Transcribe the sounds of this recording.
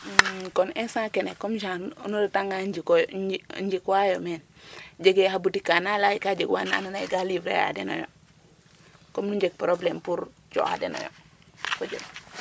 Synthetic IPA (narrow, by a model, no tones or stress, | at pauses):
konensãkenekomʒãnnuɾataŋɡad͡ʒikojɲd͡ʒikwajomen | d͡ʒeɡehabutikanalaikad͡ʒeɡwa̰naːnanaiɡalivɾḛja̰deno̰jo̰ | komnuɲd͡ʒek̚pɾoblempuɾ | d͡ʒo̰a̰dḛno̰jo̰ | kod͡ʒem